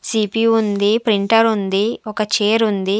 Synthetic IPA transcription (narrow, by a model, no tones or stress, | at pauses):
siːpiund̪ipɾiɳʈɐɾund̪iɔkɐt͡ʃeːɾund̪i